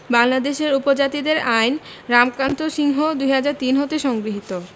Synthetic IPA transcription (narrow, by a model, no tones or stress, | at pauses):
baŋlad̪eʃeɾupod͡ʑat̪id̪eɾajn | ɾamkant̪oʃiŋɦod̪ujɦad͡ʑaɾt̪inɦot̪eʃɔŋɡɾiɦit̪o